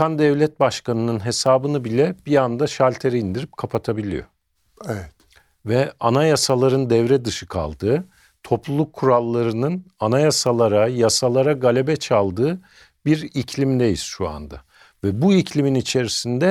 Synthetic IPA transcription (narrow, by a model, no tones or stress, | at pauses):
kʰand̪ɛvlʲɛt̪̚baʃkanɯnɯnɦe̞saːbɯnɯbilʲɛb̥iand̪aʃalʲt̪ʰe̞ɾɛind̪iɾip̚kʰapʰat̪ʰabilʲḭjo̞̰ | ɛvɛt̪ | vɛanajasalˠaɾɯnd̪ɛvɾɛd̪ɯʃɯkʰa̰lˠd̪ɯː | t̪ʰo̞plˠulˠukʰːuɾalˠːaɾɯnɯnanajasalˠaɾajasalˠaɾaɡalʲe̞bɛt͡ʃʰalˠd̪ɯː | biɾicʰlʲimd̪ejḭz̥ʃua̰nd̪a̰ | vɛbuicʰlʲiminit͡ʃʰe̞ɾisind̪ɛ